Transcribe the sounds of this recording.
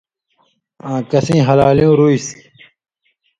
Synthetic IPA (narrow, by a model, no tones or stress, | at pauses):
ãːkɐsĩːɦɐlaːlijũːɾuis